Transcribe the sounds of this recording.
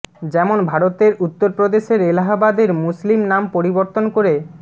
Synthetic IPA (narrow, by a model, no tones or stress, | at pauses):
d͡ʑɛmonbʱaɾot̪eɾut̪ːoɾpɾod̪eʃeɾelaɦabad̪eɾmuslimnampoɾiboɾt̪onkoɾe